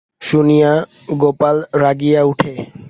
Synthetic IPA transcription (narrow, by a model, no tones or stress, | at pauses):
ʃunija | ɡopalɾaɡijauʈʰe